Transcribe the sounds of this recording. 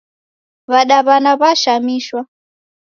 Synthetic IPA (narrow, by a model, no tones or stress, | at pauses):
βaɗaβanaβaʃamiːʃwa